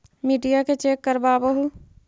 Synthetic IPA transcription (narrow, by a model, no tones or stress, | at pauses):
miːɖijaket͡ʃeːkːəɾbaːbəɦu